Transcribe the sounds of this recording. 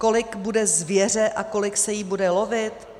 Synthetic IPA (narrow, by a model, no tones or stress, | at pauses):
ko̞lɪkbudɛzvjɛr̝ɛʔako̞lɪksɛjiːbudɛlo̞vɪt̪